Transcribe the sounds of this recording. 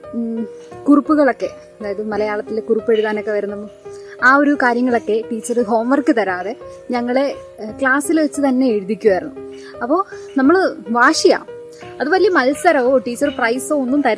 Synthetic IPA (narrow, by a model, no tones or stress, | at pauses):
kurupːuɣɐɭo̞kːe̞ | ɐðaːjɐðɨmɐlɐjaːɭɐt̪ːilekurupːe̞ɻuðaːno̞kːe̞ʋɐɾunːɐmoaːo̞ɾukaːɾjɐŋːɐɭo̞kːe̞ʈiːt͡ɕːɐrɨɦo̞ːmʋɐrkːɨt̪ɐɾaːðe̞ | ɲɐŋːɐɭe̞ | kɭaːsilʋet͡ɕːɨt̪ɐnːe̞eɻuðikʲːuʋɐjɾunːu | ɐpːo̞ːnɐmːɐɭʋaːʂija̰ː | ɐðuʋɐlijɐmɐlsɐɾɐʋoʈiːt͡ɕːɐrɨprɐjsoːonːumt̪ɐɾ